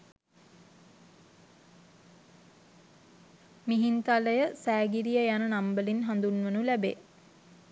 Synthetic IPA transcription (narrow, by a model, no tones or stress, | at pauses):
miɦint̪aləjəsæːɡiɾijəjanənambəlinɦand̪unʋənulæbḛ